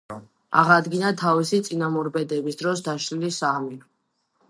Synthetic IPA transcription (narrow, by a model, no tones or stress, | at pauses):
a̰ʁad̪ɡinat̪ʰavisit̪sʼinamɔɾbɛd̪ɛbisd̪ɾɔsd̪aʃlilisami